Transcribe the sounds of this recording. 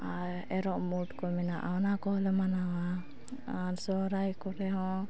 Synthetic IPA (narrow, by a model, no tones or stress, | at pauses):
aɾ | ɛɾɔʔmuʈkɔmɛnaʔawnakɔlɛmanawa | aɾsɔɾajkɔɾɛɦɔ̃